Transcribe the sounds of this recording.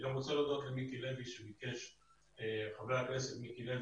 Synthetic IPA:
ɡamʁot͡selod̪ot̪lemikileviʃebikeʃ | eχavleakesetmikilev

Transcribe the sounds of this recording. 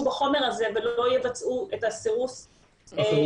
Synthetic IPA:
ubaχo̞meʁaze̞velo̞jevat͡sʔuetasiʁus

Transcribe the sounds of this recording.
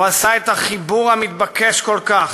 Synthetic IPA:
asaet̪aχibuʁamit̪̚bakeʃko̞lkaχ

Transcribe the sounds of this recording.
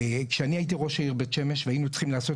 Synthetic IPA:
kʃeaniajit̪̬iʁo̞ʃaiʁbetʃe̞me̞ʃveainut͡sχimlaːso̞

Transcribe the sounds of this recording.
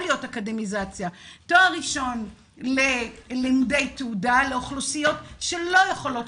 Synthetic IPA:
lijo̞takademizat͡sjatoaʁiʃo̞n | lelimde̞jteudaleoχlosijo̞tʃe̞lo̞jeχo̞lo̞t

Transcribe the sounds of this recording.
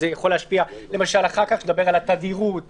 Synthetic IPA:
ejaχo̞leːʃpiale̞maʃalaχaʁkaχed̪abe̞ʁalat̪ad̪iʁut̪

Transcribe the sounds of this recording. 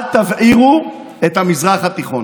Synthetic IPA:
t̪avʔiʁu | et̪hamizʁaχat̪iχon

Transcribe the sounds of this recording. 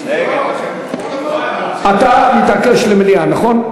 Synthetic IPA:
ʔat̪amit̪akeʃlemelianaχon

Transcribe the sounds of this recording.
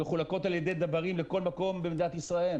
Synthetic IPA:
eχulako̞t̪aljed̪ed̪abaʁimleko̞lmako̞mbemd̪inat̪isʁael

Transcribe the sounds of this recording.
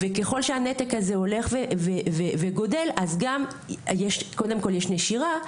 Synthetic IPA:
veke̞χo̞lʃeanetekazeo̞le̞χveveveveɡo̞de̞lʔazɡam | jeʃko̞de̞mko̞ljeʃneʃiʁa

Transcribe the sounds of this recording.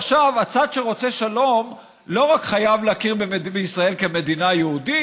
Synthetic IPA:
χʃavat͡sad̪ʃe̞ʁo̞t͡se̞ʃalo̞m | lo̞ʁakχajavleakiʁbebeisʁae̞lke̞me̞d̪inajeudi

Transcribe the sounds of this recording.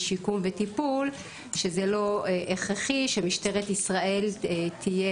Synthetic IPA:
ʃikumvet̪ipul | ʃezelo̞eʔeχʁeχiʃemiʃteʁet̪isʁaʔe̞lt̪ʰije

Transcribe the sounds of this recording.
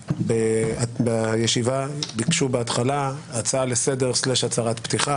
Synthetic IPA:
beabejeʃivabikʃubeatχalaat͡salesede̞ʁsleʃhat͡saʁat̪pt̪iχa

